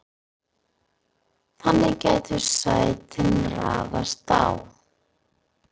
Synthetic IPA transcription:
θanːɪɣcɛːjt̪ʰʏɾ̥saːjt̪ʰɪmraːvast̪aːwθ

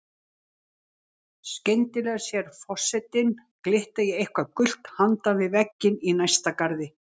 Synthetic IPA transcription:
scejnt̪ɪlɛɣasjɛɾ̥fɔr̥sɛt̪ɪnklɪht̪ajɛɣehkvaðkʏl̥t̪hant̪anvɪðvɛcːɪninajst̪akaɾðɪ

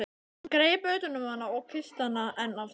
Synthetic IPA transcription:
kɾeːjpœɥt̪ʏnʏmanːaɔɣkʰɪst̪anaʔɛnal

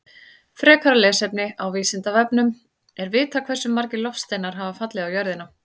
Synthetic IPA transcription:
fɾɛːkʰaɾalɛːsɛpnɪawviːsɪnt̪avɛpnʏm | ɛɾvɪːt̪akʰv̥ɛsʏmːaɾcɪlɔfst̪eːjnaɾ̥ɦaːvafat̪lɪðawjœɾðɪna

